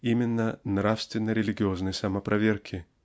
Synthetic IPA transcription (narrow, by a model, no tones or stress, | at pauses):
imʲɪnːənɾafst̪vʲɪnːəɾʲɪlʲɪɡʲɪoznəjsɐməpɾʔɐvʲerkʲʰɪ